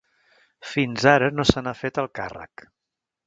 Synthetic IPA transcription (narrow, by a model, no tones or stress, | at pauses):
finzaɾənosənafet̪əlˠka̰rə̰k